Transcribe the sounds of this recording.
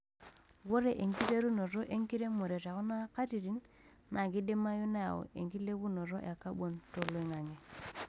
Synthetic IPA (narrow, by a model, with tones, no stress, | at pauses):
wo˦ɾe˨ʔe˨ŋki˦ɾe˦ɾu˦no˨ɾo˦ʔe˦ŋki˦ɾe˦mo˨ɾe˨ta˨ku˦na˦ka˦ti˨ti˦nː | a˨ɡi˦de˦ma˦ju˦na˦ja̰˨wo̰˨ʔḛ˨ŋki˦le˦ɡu˦no˨ɾo˦ʔa˨ka˦ɓo˨nto˨lo˦i˦ŋa˨ŋe˨